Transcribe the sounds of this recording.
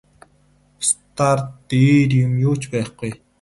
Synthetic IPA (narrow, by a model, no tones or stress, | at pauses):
st̪ʰart̪ːeːɾjʊmjʊːt͡ɕpæːχɡ̥uj